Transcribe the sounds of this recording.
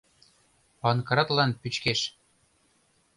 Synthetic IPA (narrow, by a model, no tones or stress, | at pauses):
pɑnkɑɾɑt̪lɑnpyt͡ɕkeʃ